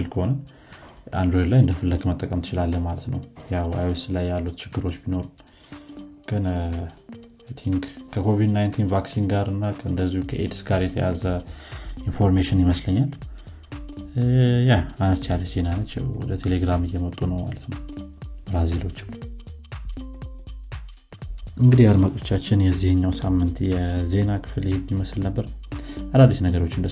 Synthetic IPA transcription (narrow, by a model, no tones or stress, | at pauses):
ɨlkʰəho̞nən | ʔa̰nd̪ɾojd̪lajɨnd̪əfɨlːəɡmət̪ʼːəkʼəmt̪ʰɨt͡ʃɪlalːəmalət̪nəwjawa̰jweslajːalːut̪t͡ʃʰɪɡːɨɾo̞t͡ʃːbino̞ɾɨn | ɡ̥ʼɨn | t̪ʰiŋɡkʰəkʰo̞vid̪najnt̪ʰinvaksinɡaɾɨnːakʰəɨnd̪əzːihukʰəʔedsɡaɾjɛt̪ʰəja̰zə | info̞ɾmeʃɪnjɪməsləɲːal | jahanəst͡ʃ̪ialːəz̥e̞nanət͡ʃːɛ̰wwɔ̰d̪ət̪ʰe̞le̞ɡɾamɨjːɛmət̪ʼunəwma̰lət̪nəwbɾazilo̞t͡ʃː | ʔɨŋɡɨd̪ijaɾmət̪ʼo̞t͡ʃːat͡ʃːɪnjɛzːihɨɲːawsamːɨnt̪jɛze̞nakʰɨ̥fɨlehed̪jiməslnəbːəɾadad̪ot͡ʃnəɡəɾo̞t͡ʃːɪnd̪ə